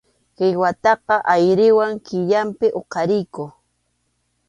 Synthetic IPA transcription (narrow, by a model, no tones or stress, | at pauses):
kɪjwat̪ɑqɑʔajɾɪwaŋkɪʎampɪʔoqɑɾɪjkʊ